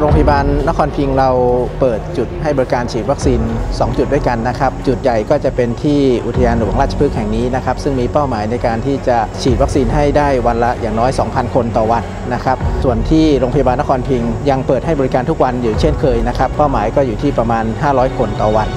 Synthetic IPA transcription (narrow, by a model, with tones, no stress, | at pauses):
ɾoː˧ŋpʰa˧ja˧baː˧nːa˦˥kʰɔː˧npʰi˧ŋɾa˧wpɤː˨˩t̪̚t͡ɕu˨˩t̪̚ha˥˩jbɔː˧ɾi˧˦kaː˧nt͡ɕʰiː˨˩t̪̚wa˦˥k̚siː˧nsɔː˩˦ŋt͡ɕu˨˩t̪̚du˥˩jka˧nːa˦˥kʰa˦˥p̚t͡ɕu˨˩t̪̚ja˨˩jkɔː˥˩t͡ɕa˨˩pe˧nt̪ʰiː˥˩ʔu˨˩t̪ʰa˧jaː˧nɾɯː˨˦wa˨˦ŋɾaː˥˩t̪t͡ɕʰḁ˧pʰɯ˦˥k̚hɛ˨˩ŋniː˦˥na˦˥kʰa˦˥p̚sɯ˥˩ŋmiː˧pa˥˩wmaː˩˦jna˧jkaː˧nt̪ʰiː˥˩t͡ɕa˨˩t͡ɕʰiː˨˩t̪̚wa˦˥k̚siː˧nɦa˥˩jdaː˥˩jwa˧nla˦˥ʔjaː˨˩ŋnɔː˦˥jsɔː˩˦ŋpʰa˧nkʰo˧nt̪ɔː˨˩wa˧nːa˦˥kʰa˦˥p̚su˨˩ənt̪ʰiː˥˩ɾoː˧ŋpʰa˧ja˧baː˧nːa˦˥kʰɔː˧npʰi˧ŋja˧ŋpɤː˨˩t̪̚ha˥˩jbɔ˧ɾi˧˥kaː˧nt̪ʰu˦˥k̚wa˧njuː˨˩t͡ɕʰe˥˩nkʰɤː˧jna˦˥kʰa˦˥pːaː˥˩wmaː˩˦jkɔː˥˩juː˨˩t̪ʰiː˥˩pɾa˧maː˧nhaː˥˩ɾɔː˦˥jkʰo˧nt̪ɔː˨˩wa˧n